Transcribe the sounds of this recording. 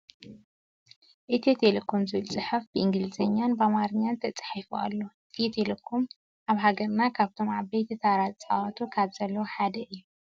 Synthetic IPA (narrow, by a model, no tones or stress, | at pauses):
ʔɨt̪ʰiet̪ʰelekʰomzɨβɨlt͡sʼɨħɨfb̥ɨʔɨŋɡɨlɨzɐɲːanbamaɾɨɲːant̪ʰɐt͡sʼħifuʔa̰lːo̞ʔɨt̪ʰit̪ʰelekʰːom | ʔaβɦaɡɐɾnakʰaβt̪ʰo̞maβɐjt̪ʰɨt̪ʰaɾazʼt͡sʼawat̪ʰukʰaβz̥ɐlːɐwoħad̪ɐʔɨjːu